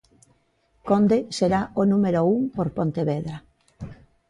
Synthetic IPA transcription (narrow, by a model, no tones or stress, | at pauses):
kond̪eseɾaonumeɾouŋpoɾpont̪eβeðɾa